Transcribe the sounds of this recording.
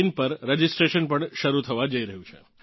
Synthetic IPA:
inpəɾɾed͡ʒɪsʈɾeʃənpəɳʃəɾut̪ʰəʋad͡ʒəiɾəɦũt͡ʃʰḛ

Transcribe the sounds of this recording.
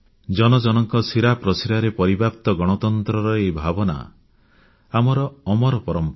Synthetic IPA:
d͡ʒɔnɔd͡ʒɔnɔŋkɔsiɾapɾɔsiɾaɾepɔɾibap̚t̪ɔɡɔɽ̃ɔt̪ɔnt̪ɾɔɾɔebʱabɔna̰ | amɔɾɔːmɔɾɔpɔɾɔmpɔ

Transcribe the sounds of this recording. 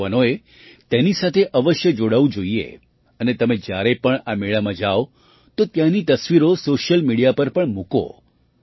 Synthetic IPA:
anoe | t̪enisat̪ʰeʔəʋəʃjəd͡ʒoɽaʋũd͡ʒoiḛ | ənet̪əmẽd͡ʒjaɾepəɳameɭamãd͡ʒao | t̪ot̪janit̪əsʋiɾosoʃəlmiɽijapəɾpəɳmuko̰

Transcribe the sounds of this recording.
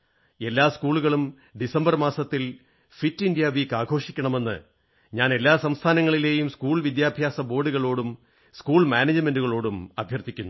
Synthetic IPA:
e̞lːaːskuːɭuɣɐɭum | ɖisɐmbɐrmaːsɐt̪ːil | fitːindjaʋiːkːaːɡʱo̞ːʂikʲːɐɳɐme̞nːɨ̰ | ɲaːne̞lːaːsɐmst̪ʰaːnɐŋːɐɭileːjumskuːɭʋid̪jaːbʱjaːsɐbo̞ːɖuɣɐɭo̞ːɽum | skuːɭmaːneːd͡ʑɨme̞nduɣɐɭo̞ːɽumɐbʱjɐrt̪ʰikʲːunːu

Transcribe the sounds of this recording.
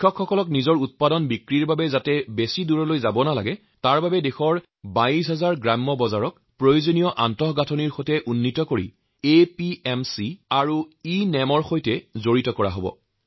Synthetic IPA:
ɔkʰxɔkɔlɔknizɔɹut̚padɔnbikɹiɹbabɛzatɛbesiduɹɔlojzabɔnala̰ɡɛ | taɹbabɛdexɔɹ | baisɦɛzaɹɡɹamːɔbɔzaɹɔk | pɹojozonijɔʔantɔɦɡatʰɔniɹxotɛʔunːitɔkoɹḭ | epiɛmsiaɹuinɛmɔɹxojtɛzoɹitɔkɔɹa̰ɦobɔ̰

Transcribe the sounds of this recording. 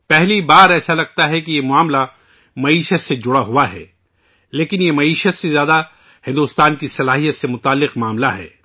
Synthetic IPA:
pɛɦlibaːɾɛːsalɐɡ̚t̪aɦɛkijemʊaːmla | mɐiːʃət̪sed͡ʒʊɽaɦuaɦɛ̰ː | leːkɪnjemɐiːʃət̪sezjaːd̪a | hɪ̃nd̪ust̪aːnkisɐlaːɦijət̪semʊt̪aːlːɪqmaːmlaɦɛ̰ː

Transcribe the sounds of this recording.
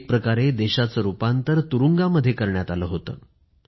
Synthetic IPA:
k̚pɾəkaɾed̪eɕat͡səːɾupant̪əɾt̪uɾuŋɡaməd̪ʱːjekəɾɳjat̪aləɦot̪ə̰ː

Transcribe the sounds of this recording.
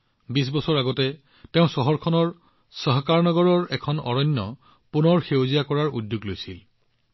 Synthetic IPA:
bis̬bɔsɔɹaɡɔtɛ | tɛʊ̃sɔɦɔɹkʰɔnɔɹ | sɔɦkaɹnɔɡɔɹɔɹɛkʰɔnɔ̰ɹɔɲːɔ̰ | punɔɹxewzijakɔɹaɹudjuɡlojsil

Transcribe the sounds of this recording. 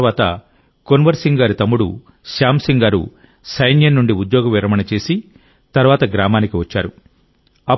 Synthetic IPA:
ʋaːt̪ɐ̰ | konʋɐɾsiŋɡaːɾit̪ɐmːuɽṵ | ʃaːmsiŋɡaːɾṵ | sɐjnjɐnːuɳɖiud̪jɔːɡɐʋiɾɐmɐnɐt͡ʃe̞ːsi | t̪ɐɾʋaːt̪ɐɡɾaːmaːnikiʋɐt͡ʃːa̰ːɾu | ɐ

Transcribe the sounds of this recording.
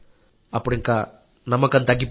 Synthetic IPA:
apɔɾɛŋka | namakant̪aɡip

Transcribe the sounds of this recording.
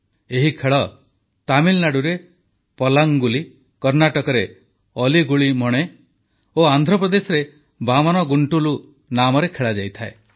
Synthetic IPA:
eɦikʰeɭɔ | t̪amilnaɽuɾe | pɔlaŋɡuli | kɔɾnaʈɔkɔɾe | ɔliɡuɭimɔɽ̃e | oand̪ʱɾɔpɾɔd̪esɔɾe | bamɔnɔɡuɳʈulu | namɔɾekʰeɭad͡ʒajt̪ʰae

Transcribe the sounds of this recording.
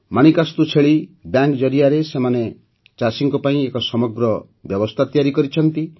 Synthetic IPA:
maɽ̃ikast̪ut͡ʃʰeɭibjaŋkd͡ʒɔɾiaɾesemane | t͡ʃasiŋkɔpaĩekɔsɔmɔɡɾɔ | bjɔbɔst̪ʰat̪ijaɾikɔɾit͡ʃʰɔnt̪i

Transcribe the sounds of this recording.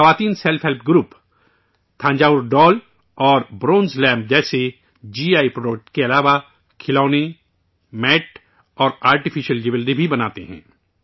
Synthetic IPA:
xɐʋaːt̪iːnsɛlfɦɛlpʰɡɾuːp | t̪ʰãːɲd͡ʒaːʊɾɖɔːl | ɔːɾbɾõːnzlɛ̃ːmp̚d͡ʒɛːse | d͡ʒiːaːipɾoːɖək̚ʈkeɐlaːʋa | kʰɪlɔːne | mɛːʈ | ɔːɾaːɾʈɪfʰɪʃəld͡ʒɪʋəlɾibʱibɐnaːt̪eɦɛ̰̃ː

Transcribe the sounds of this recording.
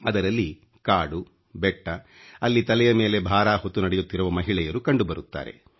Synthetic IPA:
ɐd̪ɐɾɐlːi | kaːɽu | bɛʈːɐ | ɐlːit̪ɐlɛjɐme̞ːle̞bʱaːɾaːɦot̪ːunɐɽɛjut̪ːiɾuʋɐmɐɦiɭɛjɐɾukɐɳɖubɐɾut̪ːa̰ːɾe̞̰

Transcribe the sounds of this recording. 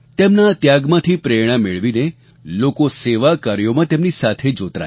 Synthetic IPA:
t̪emnat̪jaɡmãt̪ʰipɾeɽ̃ameɭʋine | lokoseʋakəɾjomãt̪emnisat̪ʰed͡ʒot̪ɾa̰

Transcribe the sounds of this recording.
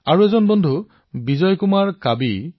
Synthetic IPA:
aɹuezɔnbɔndʱu | bizɔjkumaɹkabi

